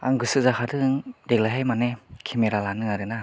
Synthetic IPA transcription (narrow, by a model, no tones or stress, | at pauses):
a̰ŋɡɯsɯzakʰadɯŋdeɡlaɦajmanekʰimeɾalanɯaɾɯna